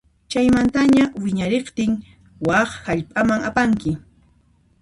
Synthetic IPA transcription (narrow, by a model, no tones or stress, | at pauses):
t͡ʃajmant̪aɲawɪɲaɾeqt̪ɪŋ | wɑχhaʎpʼamaŋapaŋkɪ